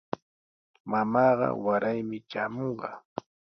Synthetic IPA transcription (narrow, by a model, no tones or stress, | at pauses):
mamɑːɢɑ̰waɾajmɪt͡ʃaːmoɴɢɑ̰ː